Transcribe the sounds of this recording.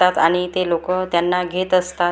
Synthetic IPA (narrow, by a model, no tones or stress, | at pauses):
at̪aɽ̃it̪elokət̪janːaɡʱet̪əst̪a